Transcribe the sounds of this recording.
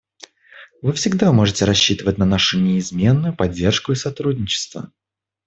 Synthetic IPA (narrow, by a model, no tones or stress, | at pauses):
vɨfsʲɪɡd̪amo̞ʐɨtʲɪɾɐɕːit̪əvətʲnɐnaʂʊnʲɪɪzmʲe̞nːʊjʊpɐdʲːe̞rʂkʊɪsɐt̪ɾudʲnʲɪt͡ɕɪ̥st̪və̰